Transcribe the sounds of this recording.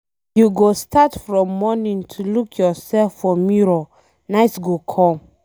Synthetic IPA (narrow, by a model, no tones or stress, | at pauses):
juɡostʰatfɹɔ̃mːɔnĩŋtʰulukʰjɔsɛlfːɔmiɹɔ | naɪtɡokʰɔ̃m